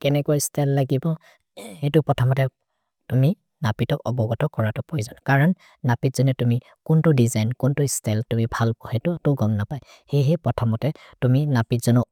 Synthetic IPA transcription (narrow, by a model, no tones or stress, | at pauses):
kɛnɛkuastɛlːaɡibɔ | hetʊpɔtʰamɔtɛ | tumi | napitɔkɔbɔɡɔtɔkɔɹatɔpojzanɔkaɹɔnː | apitz̥ɔnɛtumi | kʊntʊdizajnkʊntuistɛltumibʱalpɔhɛtʊtʊɡɔŋnapaj | hejɦɛpɔtʰamɔtɛ | tuminapitz̥ɔnɔ